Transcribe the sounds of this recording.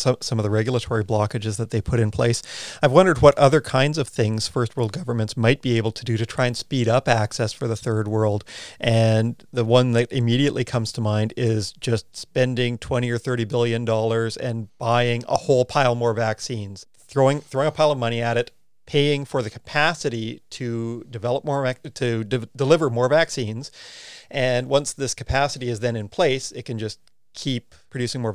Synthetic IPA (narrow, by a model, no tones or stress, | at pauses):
sʌ̃sʌ̃mʌvðɨɹɛɡjl̩ˠətʰɔɹiblɑkɨd͡ʒɨzðɨt̪̚ðeɪpʰʊɾɨ̃npʰl̥eɪsaɪvwʌ̃ndə˞d̚wʌɾʔʌðə˞kʰãɪ̃ndzʌv̥θɪ̃ŋz̥fɜ˞st̚wɜ˞lˠd̚ɡʌvə˞mɨ̃ntsmaɪt̚b̥ieɪbl̩ˠtʰɨdɨɾɨtʰɹ̥aɪɨ̃nspiɾʌpæksɛsfə˞ðɨθɜ˞d̚wɜ˞lˠdʔɨ̃n | ðəwʌ̃nðɨɾɨmiɾiɨʔlʔikʰʌ̃mz̥tʰəmãɪ̃ndɪzd͡ʒʌstspɛ̃ndɪ̃ŋtʰw̥ɛ̃ɾ̃iə˞θɜ˞ɾibɪlˠjɨ̃ndɔlˠə˞zɨ̃nb̥aɪɪ̃ŋə̰hoʊlˠpʰaɪlˠmɔɹvæksĩnz̥ | θɹoʊɪ̃ŋθɹoʊɪ̃ŋəpʰaɪlˠʌvmʌɾ̃iɨɾɨt̚ | pʰeɪɪ̃ŋfə˞ðɨkʰə̥pʰæsɨɾiɾɨdɨvɛlˠəp̚mɔɹtʰɨdɨdəlɪvə˞mɔɹvæksĩnz̥ʔɨ̃nwʌ̃nsðɪskʰɨ̥pʰæsɨɾiɨzðɨ̃nɨ̃npʰl̥eɪsɨt̚kʰɨ̃nd͡ʒʌs | kʰipʰɹ̥ɨdʉsɪ̃ŋmɔɹ